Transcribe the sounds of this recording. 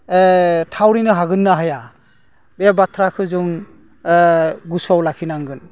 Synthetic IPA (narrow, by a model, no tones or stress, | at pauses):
tʰawɾinɯɦaɡɯnːaɦaja | bebatʰɾakʰɯzuŋ | ɡusɔwlakʰinaŋɡɯn